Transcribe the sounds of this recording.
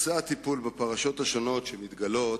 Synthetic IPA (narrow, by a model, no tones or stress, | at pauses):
saat̪ipulbapaʁaʃo̞t̪haʃo̞no̞t̪ʃemit̪ɡalo̞t